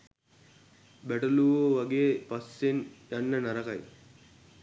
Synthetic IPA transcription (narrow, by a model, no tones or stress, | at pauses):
bɛʈɐluʋoʋɐɡeːpasːenjanːənaɾaka̰j